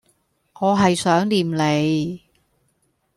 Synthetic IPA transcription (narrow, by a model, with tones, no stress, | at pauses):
ŋɔː˨˧ɦɐ˨jsœː˨˥ŋliː˨mle˨˧j